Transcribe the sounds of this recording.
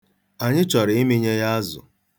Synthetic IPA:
a˨ɲɪ˦t͡ʃɔ˨ɾɪ˨i˦me˦ɲe˦ja˦a˦zʊ̰˨

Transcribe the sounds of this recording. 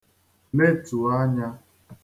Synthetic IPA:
le˦tu˨a˦ɲa˦

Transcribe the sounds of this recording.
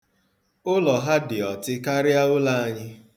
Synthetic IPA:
ʊ˦lɔ˨ɦa˦dɪ˨ɔ˨tɪ˦ka˦ɾɪ˦a˦ʊ˦la˦a˦ɲɪ˦

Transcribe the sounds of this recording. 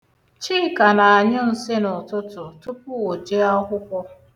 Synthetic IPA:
t͡ʃi˦˨ka˨na˨a˨ɲʊ˦n̩˨sɪ˦nɔ˨tʊ˦tʊ˨tʊ˦p̚ʊ˦o˨d͡ʒe˦a˦ɦʊ˦kʷɔ˦

